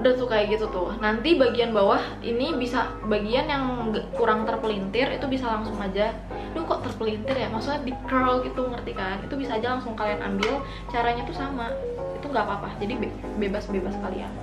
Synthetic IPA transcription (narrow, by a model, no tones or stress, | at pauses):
udasukajɡit̪ut̪ʊnant̪ibaɡianbawah | ḭnibisa | baɡianjaŋakuɾaŋt̪ərpəlint̪ɪrit̪ubisalaŋsʊŋad͡ʒa | duhkɔʔt̪ərpəlint̪ɪrjamaksuɲadikəlɡit̪uməŋərt̪ikanḭt̪ubisaːd͡ʒalaŋsʊŋkaliana̰mbɪl | t͡ʃaɾaɲat̪usamait̪uŋɡapapahd͡ʒadibe | bebasbebaskalḭa̰n